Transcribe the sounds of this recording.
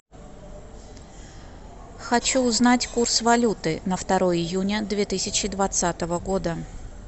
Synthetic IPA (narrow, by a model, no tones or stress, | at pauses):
xɐt͡ɕuːznatʲkursvɐlʲut̪ɨnəft̪ɐɾo̞jəɪjunʲəd̪vʲet̪ɨsʲɪt͡ɕɪd̪vɐt̪sat̪əvəɡo̞d̪ə